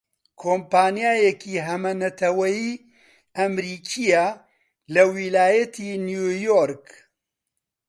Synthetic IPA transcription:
kʰoːmpaːnjaːjɛkʰiːɦɐmɐnɐt̪ʰɐwɐjiː | ɐmɾiːkʰijaː | lɐwilaːjɐt̪ʰiːnjuːjoɾk

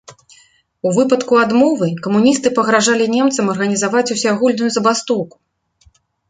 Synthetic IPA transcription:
uvɨpɐt̪kuad̪mɔvɨkɐmunʲist̪ɨpɐɣɾaʐalʲinʲɛmt̪sɐmɐrɣɐnʲizavat͡sʲusʲaɣulʲnujuzɐbast̪ɔwku̥

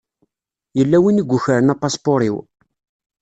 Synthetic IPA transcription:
jəlːæwiniɡʷːʊçəɾənæpːɑspoɾiw

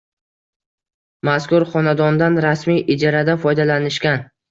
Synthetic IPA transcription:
maskʊɾχɒnad̪ɒnd̪anɾasmijʔɪd͡ʒaɾad̪afɒjd̪alanɪʃkʲan

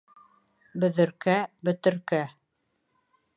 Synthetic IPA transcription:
bɵ̆ðɘ̆ɾkæbɵ̆t̪ɘ̆ɾkæ

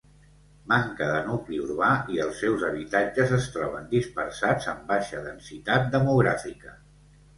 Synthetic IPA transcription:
maŋkəðənukliurβaiəlˠsɛwzəβ̞it̪ad͡ʒəzəst̪ɾɔβ̞ənd̪ispəɾsad͡zəmbaʃəðənsit̪at̪̚d̪əmuɣɾa̰fikə

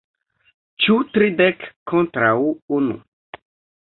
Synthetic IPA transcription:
t͡ʃut̪ɾid̪ɛkkːõnt̪ɾauunṵ

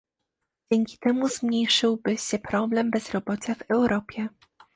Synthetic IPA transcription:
d͡ʑɛŋkʲi̥t̪ɛmuzmɲejʂɘwbɘɕɛpɾɔblɛmbɛz̥ɾɔbɔt͡ɕavɛwɾʔɔpʲjɛ

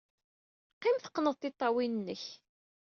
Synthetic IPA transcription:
qːɪmθə̥qːnəðˤt̪ɪt̪ˤːɑwinənːəç

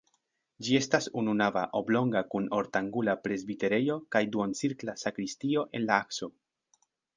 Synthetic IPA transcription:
d͡ʒie̞stasununava̰ʔo̞blo̞ŋɡakuno̞ɾtaŋɡulapɾe̞zbite̞ɾe̞jo̞kajduont͡siɾklasakɾistio̞ʔe̞̰nlaakso̞

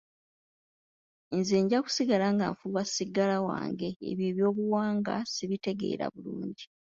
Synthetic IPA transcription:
enzeːɲɟaku̥siɡalaŋɡaːɱfuβasiɡalawa̰ːŋɡe̞̰ːβjeːβjo̞ːβuwaːŋɡa̰siβite̞ɡe̞̰ːɾa̰βuluːɲɟi

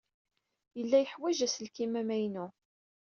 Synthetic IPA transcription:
jəlːæjəħwæʒæsəlkimæmæjnu

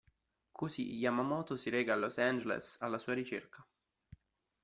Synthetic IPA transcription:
kʰosḭjamamɔːt̪osiɾɛːɡalosand͡ʒelḛsalːasuːaɾit͡ʃḛrkʰa

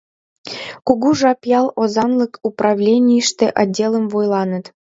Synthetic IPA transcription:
kuɣuʒɑpjɑlˠozɑnləkuprɑvlʲenʲijəʃt̪eʔɑdʲːelˠəmvojlˠɑnə̆t̪

